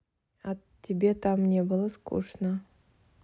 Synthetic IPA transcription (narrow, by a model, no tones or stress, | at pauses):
a | t̪ʲʰːebʲet̪amnʲe̞bɨlˠəskṵʂnə